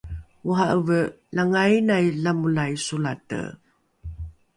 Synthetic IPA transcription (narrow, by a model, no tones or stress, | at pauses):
uɦaʔəvə | laŋajnajlamulajsulatə̰